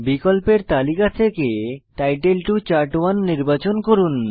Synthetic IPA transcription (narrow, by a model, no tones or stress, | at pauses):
bikolpeɾt̪alikat̪ʰekeʈajʈelʈut͡ɕaɾʈwanːiɾbat͡ɕonkoɾun